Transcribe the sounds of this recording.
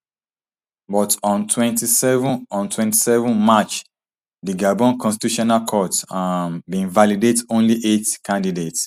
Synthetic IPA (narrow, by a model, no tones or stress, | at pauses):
bɔtɔ̃ntʰwɛ̃ntisɛṽɔ̃ntʰwɛ̃nti̥sɛvɔ̃nmat͡ʃ | diɡabɔ̃nkʰɔ̃nstituʃɔnalkʰɔtambĩnvalidetõnliʔetkʰãndidet